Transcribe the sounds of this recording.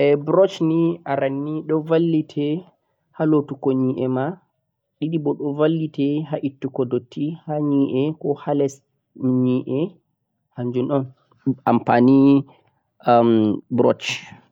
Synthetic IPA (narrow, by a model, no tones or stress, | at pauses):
ʔɛbɾɔt͡ʃniaɾanːiɗɔvalːitʰɛ | halotukoɲiːʔɛma | ɗiɗibɔɗɔvalːitɛɦaʔitːukɔdotːihaɲiʔɛkɔhalɛs | ɲiʔɛ | haɲd͡ʒunɗɔn | ampani | mbɾɔ̰t͡ʃ